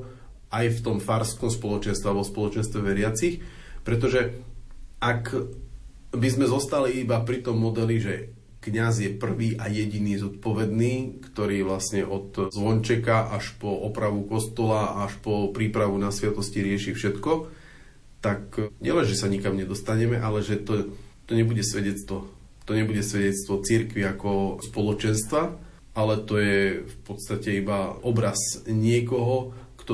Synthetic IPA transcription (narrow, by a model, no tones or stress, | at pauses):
ajft̪ɔmfaɾskɔmspɔlɔt͡ʃɛnst̪ʋɛaʋɔspɔlɔt͡ʃɛnst̪ʋɛʋɛɾɪat͡six | pɾɛt̪̬ɔʒɛ | ak | bizmɛzɔst̪aliibapɾit̪ɔmːɔd̪ɛliʒɛ | kɲazjɛpr̩ʋiːʔajɛɟiniːzɔt̪̚pɔʋɛd̪niːkt̪ɔɾiːʋlasɲɛʔɔt̪zʋɔɲt͡ʃɛkaʔaʃpɔʔɔpɾaʋukɔst̪ɔlaaʃpɔpɾiːpɾaʋunasʋjɛt̪ɔsciɾɪɛʃiːfʃɛt̪kɔ | t̪akɲɛlɛnʒɛsaɲikamɲɛd̪ɔst̪aɲɛmɛʔalɛʒɛt̪ɔt̪ɔɲɛbuɟɛsʋɛɟɛt͡st̪ʋɔ | t̪ɔɲɛbuɟɛsʋɛɟɛt̪t͡st̪ʋɔt͡siɾkʋiakɔspɔlɔt͡ʃɛnst̪ʋa | alɛt̪ɔjɛfpɔt̪st̪acɛibaʔɔbɾazɲɪɛkɔɦɔkt̪ɔ